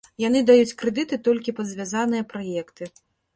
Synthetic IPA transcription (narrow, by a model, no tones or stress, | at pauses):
janɨd̪ajut͡sʲkɾɨd̪ɨt̪ɨt̪ɔlʲkʲipɐd̪zʲvʲazanɨjɐpɾajɛkt̪ɨ